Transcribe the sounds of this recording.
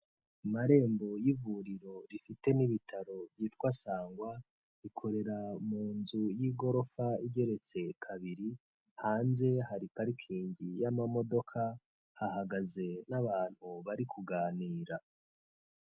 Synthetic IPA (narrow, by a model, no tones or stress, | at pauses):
maɾe̞ːmbo̞jivuɾiɾo̞ɾifite̞niβitʰaɾo̞bjiːtwasaːŋɡwa | ikʰo̞ɾe̞ɾamuːnzujiɡo̞ɾo̞faiɟe̞ɾe̞t͡se̞kʰaβiɾi | haːnze̞haɾipaɾikʰiːɲɟijamamo̞do̞kʰa | hahaɡaze̞naβaːn̥huβaɾikʰuɡaːniːɾa